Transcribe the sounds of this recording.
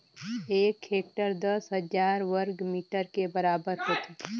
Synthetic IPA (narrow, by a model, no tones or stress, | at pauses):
eːkeːk̚ʈəɾd̪ɐsɦəd͡ʒaːɾʋəɾɡmiːʈəɾkebɐɾaːbəɾɦoːt̪aː